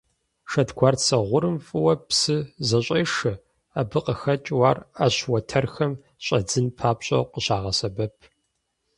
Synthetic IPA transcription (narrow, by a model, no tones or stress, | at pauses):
ʂɐtɡʷʰaːrsɐʁʷʊɾɨmfʼɨwɐpsɨzɐɕʷʼɐːʂɨ | abɨqəxɐt͡ʃʼwaːraɕwɐtʰɐrxɐm | ɕʼɐd͡zɨnpʰaːpɕʼɐ̰qəɕaːʁɐsɐbɐpʰ